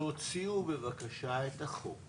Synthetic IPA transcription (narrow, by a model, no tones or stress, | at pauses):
ot͡siube̞vakaʃaetaχok